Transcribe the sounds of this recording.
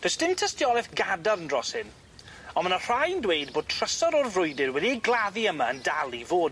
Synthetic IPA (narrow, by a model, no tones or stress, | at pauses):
d̥əstɪntʰəstjɔlɛθɡadaɾəndrɔshɪn | ɔnmənər̥ajəndwejd̚boːd̚tʰr̥əsɔɾɔrvrʊɨdɪrwɛdiəɡlˠaðiəmaəndalˠivoːd